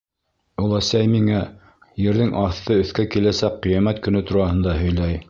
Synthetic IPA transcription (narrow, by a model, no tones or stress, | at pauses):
ulˠæsæjmiŋæ | jɘ̆ɾðɘŋʔɑθt̪ɤɵ̆θkækilæsækqːijæmæt̪kɵ̆nɵt̪uɾɑhɤ̆nd̪ɑɦɵ̆jlæj